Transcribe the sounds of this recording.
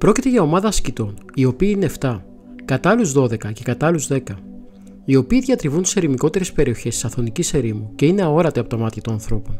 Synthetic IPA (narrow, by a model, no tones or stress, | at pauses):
pɾo̞cit̪e̞ʝɐo̞mɐðɐːscit̪o̞nio̞piːineft̪ɐ | kɐt̪ɐluzðo̞ðe̞kɐce̞kɐt̪ɐluzðe̞kɐ | io̞piːðʝɐt̪ɾivunt̪i̥seɾimiko̞t̪e̞ɾe̞spe̞ɾio̞çe̞st̪i̥sɐθo̞nicise̞ɾimuce̞ine̞ɐo̞ɾɐt̪eɐpo̞t̪ɐmɐt̪çɐt̪onɐnθɾo̞pon